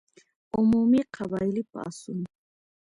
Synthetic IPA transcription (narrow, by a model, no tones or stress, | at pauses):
ʊmumiqʰɑbajlɪpa̰ːsʊŋ